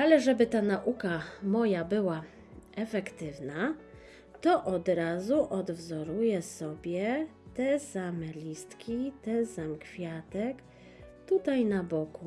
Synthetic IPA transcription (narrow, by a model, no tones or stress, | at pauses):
alɛʐɛbɘt̪anaʔukamɔjabɘwa | ɛfɛkt̪ɘvna | t̪ɔʔɔd̪ɾazuʔɔd̪vzɔɾujɛsɔbʲjɛt̪ɛsamɛlʲist̪kʲit̪ɛsamkfʲjat̪ɛk | t̪ut̪ajnabɔku